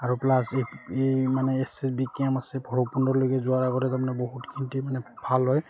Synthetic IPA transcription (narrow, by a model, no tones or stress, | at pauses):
aɹuplaseemanɛːsɛsbikamasɛbʱɔɹɔpundɔɹlojkɛzʊaɹaɡɔtɛtamanɛbɔɦutkʰinitimanɛbʱalɦɔj